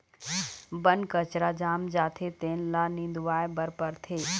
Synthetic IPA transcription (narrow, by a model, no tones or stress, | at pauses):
bənkət͡ʃɾad͡ʒaːmd͡ʒaːt̪ʰet̪eːnlanĩːnd̪ʋaːebəɾpəɾt̪ʰeː